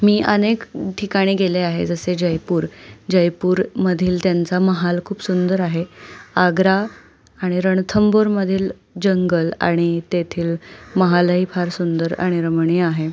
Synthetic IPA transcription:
miːʔənekʈʰikaɽ̃iːɡeleaɦḛd͡zəsed͡ʑəjpuːɾd͡ʑəjpuːɾməd̪ʱiːlt̪jant͡saməɦalkʰuːpsund̪əɾaɦeaɡɾaː | ɽ̃iɾəɳt̪ʰəmboɾməd̪ʱiːl | d͡ʑəŋɡəla̰ɽ̃it̪et̪ʰiːlməɦaləɦiːpʰaɾsund̪əɾa̰ɽ̃iɾəmɳ̃iaɦe

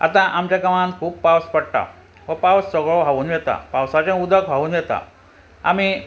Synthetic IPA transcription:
a̰t̪ãʔamt͡ɕakəmãnkʰuːb̚pawspəɽʈa̰ | ʋəpawssɔɡɭɔɦaʋunʋet̪a̰pawsat͡ɕẽud̪ʱəkbʱaunʋɛt̪a̰ | a̰mi

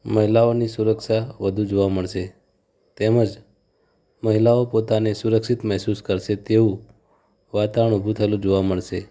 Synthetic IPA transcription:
məɦilaonisuɾəkʃaʋəd̪ʱũd͡ʒoʋaməɭʃe | t̪eməd͡ʒ | məɦilaopot̪anesuɾəkʃit̪mɛɦsuskəɾʃet̪eʋũ | ʋat̪aʋəɳ̃ubʱũt̪ʰəelũd͡ʒoʋaməɭʃe

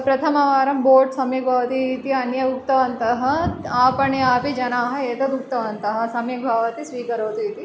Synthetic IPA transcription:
pɾɐt̪ʰɐmɐʋaːɾɐmboːʈsɐmjɐk̚bʱaːʋɐt̪iːt̪iɐnjɐuk̚t̪ɐʋɐnt̪ɐɦɐ̆aːpɐɳeaːpid͡ʒɐnaːɦɐ̆eːt̪ɐt̪uk̚t̪ɐʋɐnt̪ɐɦɐ̆sɐmjɐɡ̚bʱaːʋɐt̪isʋiːkɐɾoːt̪uit̪i

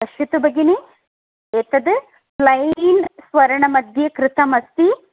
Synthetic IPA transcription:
ɐʃjut̪ubɐɡine | eːt̪ɐd̪ɨ | plɐjnsʋɐɾɐɳɐmɐd̪ʱjɐkɾɪt̪ɐmɐst̪i

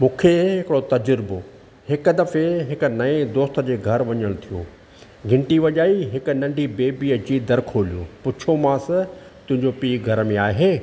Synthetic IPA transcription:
mũːkʰeɦɪkɪɽot̪ɐd͡ʑɾɪbo | hɪkʊd̪ɐfeɦɪkʊ̆nɐẽd̪oːst̪ə̆d͡ʑeːɡʱɐɾʋɐɲəɽ̃t̪ʰijõ̰ː | ɡʱɪ̃ɳʈiʋɐʄaːiɦɪkʊnɐ̃ɳɖʱibeːbiːəd͡ʑiːd̪ɐɾkʰoːlijõ̰pʊt͡ɕʰomãːsɪ | t̪ʊ̃ɦɪ̃ɲd͡ʑopiːɡʱɐɾəmẽaːɦeː

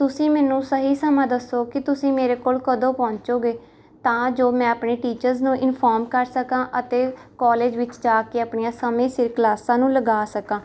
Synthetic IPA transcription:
t̪ʊsĩːmɛːnũːsəɦiːsəmãːd̪əsːoːkɪt̪ʊsĩːmeːɾeːkoːlkəd̪õːpɔ̃ːɲt͡ʃoːɡeː | t̪ãːd͡ʒoːmɛ̃ːəpɳeːʈiːt͡ʃəɾznũːʔɪnpʰɔːɾmkəɾsəkãːʔət̪eːkɔːleːd͡ʒʋɪt͡ʃd͡ʒaːkeːaːpɳijãːsəmẽːsɪɾklaːsãːnũːləɡaːsəkãː

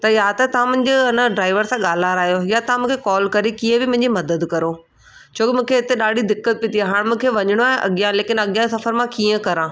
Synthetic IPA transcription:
t̪ɐjat̪ɐt̪ɐʋ̤ãmʊ̃ɦɪɲ̆d͡ʑoɪnəɖɾaːɪʋəɾsãɠaːl̤aːɾaːɦijojat̪ɐʋãmũːkʰekɔːlkɐɾikiːə̃bɪmʊ̃ɦɪ̃ɲd͡ʑimɐd̪əd̪kɐɾo | t͡ɕʰoːkɪmũːkʰeɪt̪eɗaːɖʱid̪ɪkːət̪̚pɪt̪iaɦaːɽ̃mʊ̃ːkʰeʋɐɲɪɽ̃oaːɦɪ̃ʔɐ̰ɠɪjãleːkɪnɐɠjãsɐfəɾmãkiːə̃kɐɾãː

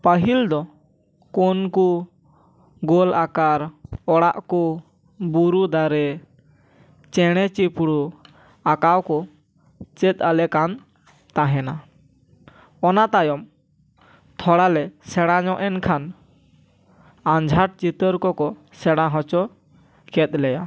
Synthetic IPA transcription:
pəɦild̪ɔ | kɔnku | ɡɔlakaɾɔɽaʔkɔ | buɾud̪aɾɛ | t͡ʃɛɽ̃ɛt͡ʃipɽu | akawkɔ | t͡ʃɛt̪̚ˀalɛkan | t̪aɦɛna | ɔnat̪ajɔm | t̪ʰɔɽalɛsɛɽ̃aɲɔʔɛnkʰan | aɲd͡ʒʱaʈ̚t͡ʃit̪əɾkɔkɔ | sɛɽ̃aɦɔ̃t͡ʃɔ | kɛt̪̚ˀlɛja

